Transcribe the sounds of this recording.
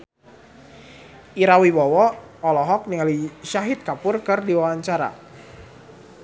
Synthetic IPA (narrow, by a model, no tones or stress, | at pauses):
ʔiɾawibɔwɔ | ɔlɔɦɔk̚niŋaliʃaɦɪt̪̚kapʊrkɨrdiwawaɲt͡ʃaɾa̰